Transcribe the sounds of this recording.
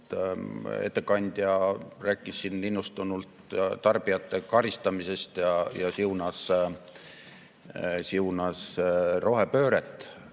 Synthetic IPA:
ḛt̪ːe̞kɑnʲd̪̥ʲjɑræːkːˑisːinːinːust̪unult̪t̪ɑrb̥ijɑt̪ːe̞kɑɾist̪ɑmise̞st̪jɑjɑsiunɑs | siunɑsro̞ɦe̞pø̞ːɾet̪ːˑ

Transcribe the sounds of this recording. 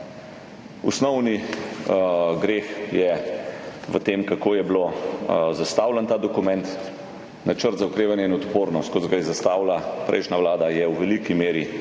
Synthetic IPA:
usnɔwni | ɡɾeːxjɛ | ʋət̪eːmkakoːjɛblozast̪aːwlant̪aːd̪ɔkumɛnt̪ | nat͡ʃəɾt̪zaukɾeːʋanjɛinɔt̪poːɾnɔst̪̚kɔt̪ɡajɛzast̪aːwlapɾʔɛ̰ɪʃnaʋlaːd̪ajɛwʋɛlikimeːɾi

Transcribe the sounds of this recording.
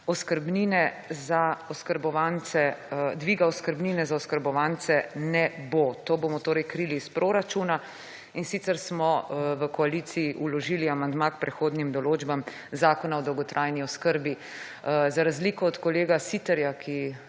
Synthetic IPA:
ɔskəɾbninɛ | zaɔskəɾbɔʋansɛd̪ʋiɡaɔskəɾbninɛzaɔskəɾbɔʋaːnt̪sɛnɛbot̪oːbomɔt̪oːɾɛjkɾiliːspɾoːɾat͡ʃuna | insit̪sɛɾsmɔʋəkɔalit̪siːʔulɔʒiːliamand̪makpɾɛxoːd̪nimd̪ɔloːd͡ʒbam | zaːkɔnaɔd̪ɔwɡɔt̪ɾʔajniɔskəɾbi | zaɾazliːkɔɔt̪kɔleːɡasit̪ɛɾjakʰi

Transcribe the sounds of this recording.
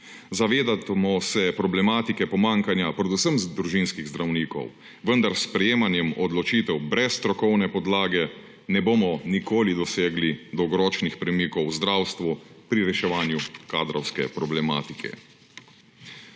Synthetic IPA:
zaʋeːd̪at̪mɔsɛpɾɔblɛmaːt̪ikɛpɔmaːŋkanjapɾɛd̪usəmzd̪ɾuʒinskiɣzd̪ɾawniːkɔ̰w | ʋənd̪aɾspɾɛjeːmanjɛmɔd̪lɔt͡ʃiːt̪ɛwbɾɛst̪ɾɔkɔwnɛpɔd̪laːɡɛ | nɛboːmɔnikoːlid̪ɔseːɡlid̪ɔwɡɔɾɔːt͡ʃnixpɾɛmiːkɔwzd̪ɾaːwst̪ʋupɾiɾɛʃɛʋaːnjukaːd̪ɾɔwskɛpɾɔblɛma̰ːt̪ikʰɛ̰

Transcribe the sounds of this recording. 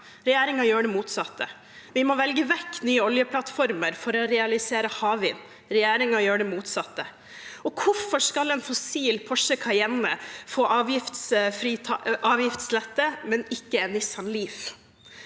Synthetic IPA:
ɾɛjæːɾɪŋɑjøːɖɛmuːt̪sɑt̪ːə | ʋɪmɔʋɛlɡəʋɛkːnyːəɔljəpʰlɑt̪fɔɾməɾfɔɾɔɾɛɑlɪseːɾəhɑːʋɪn | ɾɛjæːɾɪŋɑjøːɖɛmuːt̪sɑt̪ːə | ɔkʰʊfɔʂkɑlɛnfɔsiːlpʰɔʂəkʰɑjɛnːəfoːʔɑːʋjɪft̪sfɾiːt̪ʰɑʔɑːʋjɪft̪slɛt̪ːəmɛnɪkːəɛnʋɪsɑnliːf

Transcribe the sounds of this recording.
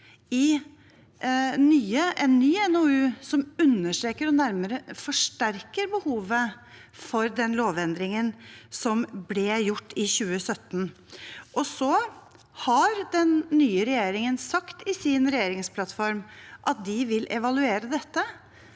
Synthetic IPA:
ɪ | nyːəʔɛnːyːɛnoʉːsɔmʉnːəʂʈɾeːkəɾɔnæɾməɾəfɔʂʈæɾkəɾbəhuːʋə | fɔɾd̪ɛnloːʋɛnd̪ɾɪŋənsɔmblɛjʊʈːɪçʉːəsœt̪ːn | ʔɔsɔ | hɑɾd̪ɛnːyːəɾɛjeːɾɪŋənsɑkt̪ɪsɪnɾɛjeːɾɪŋspʰlɑt̪fɔɾmʔɑt̪̚d̪ɪʋɪlʔɛʋɑlʉeːɾəd̪ɛt̪ːə

